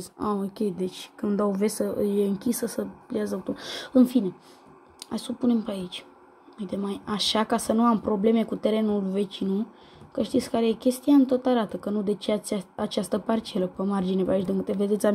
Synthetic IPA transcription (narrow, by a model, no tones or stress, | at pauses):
zaokʲe̞jd̪e̞t͡ʃʲkɨnd̪ave̞səjeɨŋkʲisəsəpleazəlok̚t̪uɨnfine̞ | ha̰jsopune̞mpeait͡ʃʲ | ujt̪e̞majaʃakasənuampɾo̞ble̞me̞kut̪e̞ɾe̞nulve̞t͡ʃinu | kəʃt̪it̪sʲkaɾejekʲe̞st̪ijaɨnt̪o̞t̪aɾat̪əkənud̪e̞t͡ʃeaaat͡ʃast̪əpart͡ʃe̞ləpəmard͡ʒinepeait͡ʃd̪ɨŋkɨt̪eve̞d̪et̪sʲa